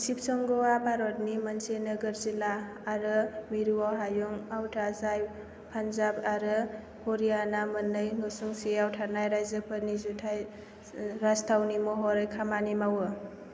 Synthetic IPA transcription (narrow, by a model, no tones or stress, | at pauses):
sip̚sɔŋɡɔwamaɾɔt̚nimansenɯɡəɾzilaː | ɾɯmiɾuaɦajuŋawtʰazaj | pʰanzabaɾɯ | hʰɔɾijanamɯnːɯjŋɯsuŋsiawtʰaɾnajɾajzəpʰɯɾnizutʰaj | ɾastʰawnimɔɦɔɾɯjkʰamanimawɯ